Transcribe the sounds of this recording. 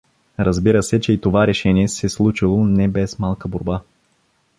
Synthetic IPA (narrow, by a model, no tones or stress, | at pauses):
ɾəzbiɾəsɛt͡ʃɛit̪ovaɾɛʃɛniɛsɛslˠut͡ʃilˠonɛbɛsmalˠkəboɾba